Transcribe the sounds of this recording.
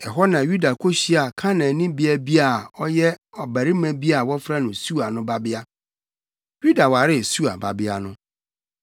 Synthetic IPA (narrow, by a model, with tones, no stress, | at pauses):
ɛ˨ɦɔ˦nã˨ju˦da˨kʰo˦ɕi˦a˨kʰã˦nã˨nĩ˦bi˦æ˦bi˦a˨ɔ˦jɛ˦ɔ˨bæ˨ɾi˦mæ̃˦bi˦a˨wɔ˦fɾa˦nʊ̃˨su˦a˨nʊ̃˦ba˦bɪ˦a˦ | ju˦da˨wa˨ɾɪ˦˨su˦a˨ba˨bɪ˦a˨nʊ̃˦